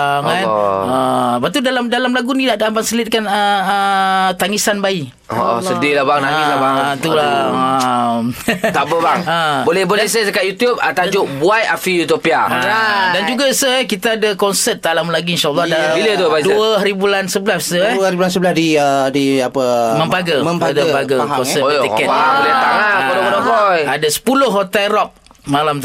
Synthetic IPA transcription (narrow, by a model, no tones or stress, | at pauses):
ŋanəbat̪udalamdalamlaɡunĩnaʔdabaŋsəlɪt̪̚kanəət̪aŋisanbai | o̰ʔɔ̰sədiɾilahbaŋnailabaŋt̪ulaəmt̪abəbaŋəbolɛhbolɛsasəkaʔjut̪jup̚ət̪ad͡ʒʊʔbuaja̰fijut̪opia̰adand͡ʒuɡasəɛhkit̪aadakɔnsət̪̚ːalamlaɡiinʃalˠːɔdailəd̪uəbaduəhɾibulansəbəlasəɛəhɾibulansəblahdiədiapəmə̃mbaɡəməmbadbaɡəkɔnsətt̪ikɛtbolɛt̪aŋabodobədobojadasə̥pulʊhːot̪ɛlrɔp̚ | malamt̪